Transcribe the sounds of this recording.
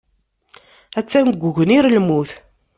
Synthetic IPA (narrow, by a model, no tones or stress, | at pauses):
æt͡sːænɡʷːʊʝəniɾlmuθ